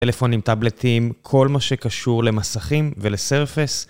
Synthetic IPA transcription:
elefo̞nimt̪abletʰimkʰo̞lmaʃekaʃuʁle̞masaχimveleseʁfis

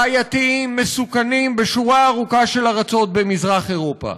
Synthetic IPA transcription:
ajat̪iimːesukanimbeʃuʁaːʁukaʃe̞laʁat͡so̞t̪̚bemizʁaχe̞ʁo̞pa̰

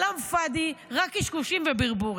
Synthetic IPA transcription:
lamfad̪iʁakiʃkuʃimvebiʁbuʁ

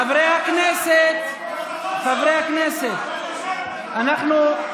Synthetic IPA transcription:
ɐbɾeɐkneset̪ | t̪ɐbɾeakneset̪̚ | ɐnɐqno

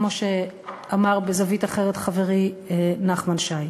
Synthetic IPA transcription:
mo̞ʃe | amaʁbezavitaχe̞ʁet̪χave̞ʁienaχmanʃaj

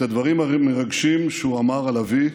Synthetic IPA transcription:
ad̪vaʁimameʁaɡʃimʃeuamaʁalavi

